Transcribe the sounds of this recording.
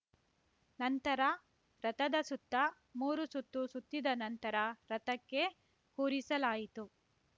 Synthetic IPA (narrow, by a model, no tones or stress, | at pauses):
nɐnt̪ɐɾɐ | ɾɐt̪ɐd̪ɐsut̪ːɐ | muːɾusut̪ːusut̪ːid̪ɐnɐnt̪ɐɾɐɾɐt̪ɐkːe̞ | kuːɾisɐlaːjit̪u